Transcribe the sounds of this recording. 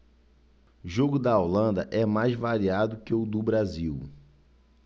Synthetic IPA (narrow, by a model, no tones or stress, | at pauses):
ʒoɡʊd̪ɐawlɐ̃nd̪ɐʔɛmajzvaɾiad̪ʊkeʊd̪ʊbɾaziw